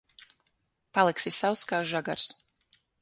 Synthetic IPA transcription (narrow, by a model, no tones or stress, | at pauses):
palˠiksisawskaːʒaɡa̰ɾs